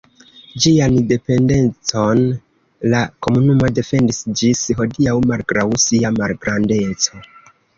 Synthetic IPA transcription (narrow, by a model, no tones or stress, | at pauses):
d͡ʒiande̞pe̞nde̞nt͡so̞n | lako̞munumo̞de̞fe̞ndisd͡ʒisɦo̞diawmalɡɾawsiamalɡɾande̞t͡so̞